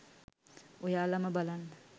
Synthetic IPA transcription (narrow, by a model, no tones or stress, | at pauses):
ojaːlaməbalan